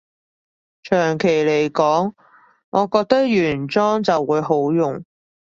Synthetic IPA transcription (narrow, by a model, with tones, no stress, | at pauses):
t͡ʃʰœː˨˩ŋkʰe˨˩jle˨˩jkɔː˨˥ŋ | ŋɔː˨˧kɔː˧k̚t̪ɐ˥k̚jyː˨˩nt͡sɔː˥ŋt͡sɐ˨wːuː˨˧jɦo˨˥wjʊ˨˩ŋ